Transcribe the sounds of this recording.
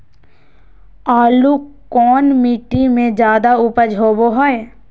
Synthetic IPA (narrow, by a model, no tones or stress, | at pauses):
aːlukɔːnmiːʈimẽd͡ʒjaːd̪aupəd͡ʒʱɦoːboɦɔe